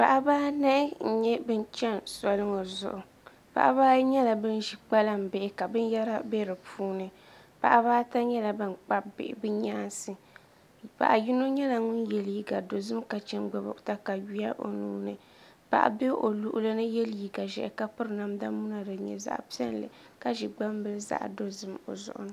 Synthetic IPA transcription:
pa˨ʔa˦baː˦na˦ɪ˦n̩˨ɲɛ˦bɨ˦n˦t͡ʃɛ˦nsa˨lɨ˦ŋɨ˨zʊ̰˨ʔʊ˨ | pa̰˨ʔa̰˦βaː˦ɲɛ˦la˨bɨ˦n˦ʒi˨k͡pa˦la˦m̩˨bɛ˨ɪ˦ka˨bɨ˦n˦ja˦ɾa˦bɛ˦ɾɨ˨pʰuː˦nɨ˦ | pa̰˨ʔa˦baː˦ta˦ɲɛ˦la˨ba˦nk͡pa˦bɪ̰˨ʔbɨ˦ɲaː˦nsɨ˨ | pa̰˨ʔa˨ji˦no˦ɲɛ˦la˨ŋʊ˦njɛ˨lji˦ɡa˨do˨zɨ˦mka˨t͡ʃɛ˦nɡ͡ba˨bʊ̰˨ʔta˦ka˨ɥi˦a˦ʔo̰˨nuː˦nɨ˨ | pa̰˨ʔa̰˨be˦ʔo˨lu˦ʔʊ˦lɨ˦nɨ˦jɛ˦lji˨ɡa˨ʒɛ̰˨ʔka˦pɨ˦ɾɨ˦na˨mda˦mu˦na˨dɨ˨ɲɛ̰˨za̰˦ʔpi˦ɛ˦n˦lɨ̰˨ | ka˦ʒi˨ɡ͡ba˦m˦bɨ˦lza̰˦ʔdo˦zɨ˦mo̰˨zʊ̰˨ʔʊ̰˨nɨ˦

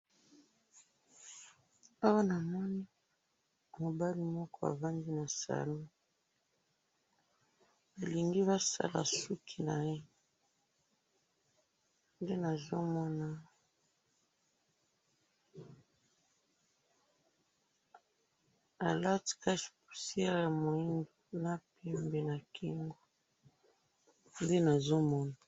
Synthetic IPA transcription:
a˦wa˦na˨mɔ˦ni˦ | mo˨ba˦li˦mɔ˦kɔ˦a̰˨va˦ndi˦na˨sa̰˨lo˦ | a˨li˨ŋɡi˦βa˦sa̰˦la̰˨su˦kʰi˨na˨je˦ | nde˦na˨zo˦mɔ˦na˦ | a˨la˦ti̥˨ka˦ʃpu̥˨si˦ɛ˦ja˨mo˨i˦ndo˨na˨pe˨mbe˨na˨kʰi˨ŋɡo˦ | nde˦na˨zo˦mɔ˦na˨

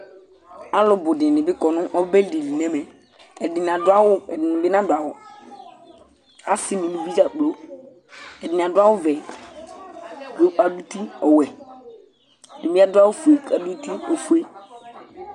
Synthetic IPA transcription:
a˦lʊ˨bʊ˨dɪ̃˨nɪ̃˨bɪ˦kɔ˨nʊ̃˦ʔɔ˦bɛ˦lde˨li˨nɛ̃˦mɛ˨ | ɛ˨dɪ˨n˨a˨da˦wʊ˦ɛ˨dɪ˨nɪ˨bɪ˦nã˦dʊ˨a˨wɔ˨ | a˦sɪ˨nĩ˨nũ˨˦bi˦d͡ʒa˨k͡plo˦ | ɛ˨dɪ˨n˨a˨dʊ˦a˦wʊ˦vɛ˨˦ | o˦k͡pa˨du˦ti˦ɔ˨wɛ˨ | nɪ˨bi˦a˦dʊ˦a˦wʊ˦fu˨e˨ka˨du˦ti˦ɔ˨fu˨˦e˦

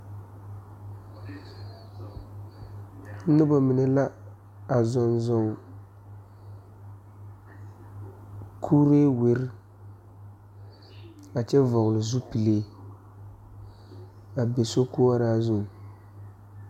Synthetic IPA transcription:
nɨ˦bɔ˨mɨ˨nɛ˦la˦ | a˨zɔ˦nzɔ˦ŋ | kʰu˦ɾe˦we˦ɾɪ˦ | a˨t͡ʃɛ˦vɔ˨ɣʊ˨lɨ˨zu˦pi˨leː˦ | a˨be˨so˦ku˦a˦ɾa˦zo˦˨ŋ˨

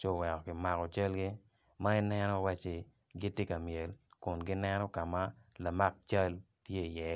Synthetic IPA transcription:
t͡ʃo˦˨wɛ˨kɔ˨kɪ˨ma˨kɔ˨t͡ʃa˦lɡɪ˦ | ma˦i˦nɛ˦nɔ˦wa˦t͡ʃe˨ | ɡɪ˦tɪ˦ka˨mje˨lkʊ˨nɡɪ˦nɛ˦nɔ˦ka˨ma˦la˨ma˦k̚t͡ʃa˦l | tje˦˨jɛ˨

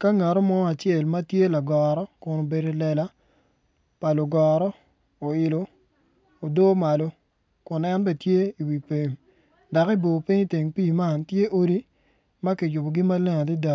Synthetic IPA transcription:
ka˦ŋa˨ɾo˦mɔ˦a˨t͡ʃje˦˨lma˦tje˦la˨ɡɔɾɔ˦kʊ˨no˨be˨ɾe˨lɛ˨la˦ | pa˨lʊ˨ɡɔ˨ɾɔ˦ | o˨ɪ˨loː˨ | do˦ma˨lo˦ | kʊ˨nɛ˦nbɛ˦˨tje˦i˨wi˨pe˨ɲ | da˨ki˦bo˨pi˦ɲi˦te˨ŋpiː˦˨ma˦˨ntje˦ʔo˦ɾi˦ | ma˦ki˨jʊ˨bo˨ɡɪ˦ma˦lɛ˦ŋa˨di˦da˨˦

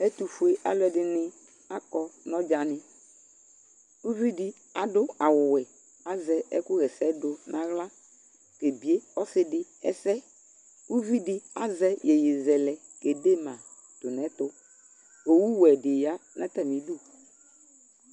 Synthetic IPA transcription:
ɛ˦t̪u˨fu˨e˦ʔa̰˨lɛ˨dɪ˨nɪ˦ | a˦kɔ˦nɔ̃˦d͡ʒa˨nɪ̃˨ | u˦vi˦dɪ˦ | a˨dʊ˦a˨wʊ˨wɛ˨ | a˨zɛ˨ɛ̰˦kʊ˦ɣɛ˨sɛ˨˦dʊ˨nã˨ɣla˦ | ke˨bi˨e˦ɔ˦sɪ˦dɪ˦ɛ̰˦sɛ˦ | u˦vi˦dɪ˦a˦zɛ˦jɛ˨jɪ˨zɛ˨lɛ˨ | ke˨de˦mã˨ | t̪ʊ˨nɛ̃˨˦t̪ʊ˦ | o˨wu˦wɛ˨dɪ˨ja˨˦nã˦t̪a˨mĩ˨du˦˨

